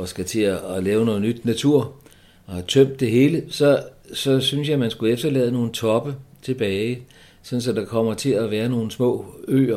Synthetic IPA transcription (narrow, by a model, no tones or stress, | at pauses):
ɒ̽sɡ̥æt͡sʰe̝ælɛːʊno̽ːð̩ˠnyd̥næt͡sʰuɐ̰ | ɒ̽hæt͡sʰøm̰d̥ːe̝ɦe̝ːləsɒ̽sɒ̽synsjɑ̈ɪmænsɡ̥uefd̥ɐlɛ̰ːð̞ˠəno̝ːn̩t͡sʰɒ̽b̥ət͡sʰe̝b̥ɛːɪ | sɒ̽n̩sɒ̽d̥ɑ̈kʰɒ̽m̰ɐt͡sʰe̝æʋæːɐno̝ːn̩smɔ̰̽ːø̰ːɐ